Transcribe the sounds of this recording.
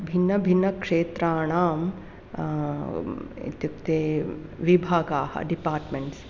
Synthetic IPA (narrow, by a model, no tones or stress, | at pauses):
bʱinːɐbʱinːɐkʂeːt̪ɾaːɳ̃aːm | ḭt̪juk̚t̪eʋibʱaːɡaːhɐ̰ɖipaːɾʈmeɳʈs